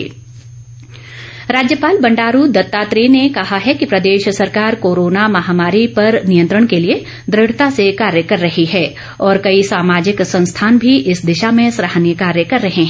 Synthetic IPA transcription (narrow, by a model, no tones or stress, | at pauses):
ɾaːd͡ʒjəpaːlbɐ̃ɳɖaːɾud̪ɐt̪ːaːt̪ɾinekɐɦaɦɛkipɾɐd̪eːʃsɐɾkaːɾkoːɾoːnamɐɦaːmaːɾipɐɾnijə̃nt̪ɾəɽ̃kelie | d̪ɾɪɽt̪asekaːɾjəkɐɾːɐɦiɦɛː | ɔːɾkɐisaːmaːd͡ʒɪksɐ̃nst̪ʰaːnbʱiʔɪsd̪ɪʃamẽsɾəɦnjəkaːɾjəkɐɾːɐɦeɦɛ̃